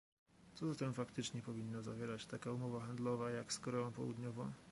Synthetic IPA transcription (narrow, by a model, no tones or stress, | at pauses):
t̪sɔzat̪ɛmfakt̪ɘt͡ʂɲɛpɔvʲinːazavʲjɛɾat͡ɕt̪akaumɔvaxand̪lɔvajakskɔɾɛɔ̃w̃pɔwṵd̪ɲɔvɔ̃w̃